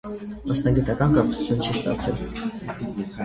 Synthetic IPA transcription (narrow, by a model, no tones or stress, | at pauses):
mɑsnɑɡit̪ɑkɑnkɑɾt͡sʰu̥t͡sʰjunt͡ʃʰist̪ɑ̰t͡sʰɛl